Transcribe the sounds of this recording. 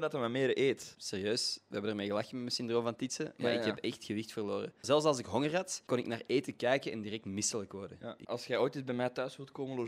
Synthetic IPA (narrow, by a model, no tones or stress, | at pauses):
dɑtəmameːɾʔeːtseːrjøːsʋəɦɛbənərmeːɣəlaxəmɛmɛnsʏndroːmvɑntitsəma̰ːʔɪkɦɛpɛxtxəʋɪxtfərloːɾə̰zɛlˠfs̬ɑlˠsɪkɦɔŋərɦɑtkɔnɪknaːreːtəkɛjkənɛ̰ndirɛk̚tmɪsələkʋɔrdəʔɑlˠsxɛoːjtibɛmɛːtœːsʋutkoːməlo